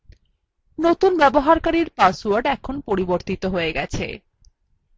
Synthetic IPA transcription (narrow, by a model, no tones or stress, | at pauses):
not̪unbɛboɦaɾkaɾiɾpasuaɾɖɛkʰonpoɾiboɾt̪it̪oɦoeɡɛt͡ɕʰḛ